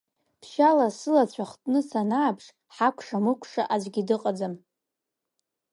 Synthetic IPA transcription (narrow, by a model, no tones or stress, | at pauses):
pʰʃalasɨlat͡ɕʷʰaχtʼnɨsanaːpʰʂ | ħakʷʰʂamɨkʷʰʼʂaʔad͡ʒʷɡʲidɨqʼad͡zam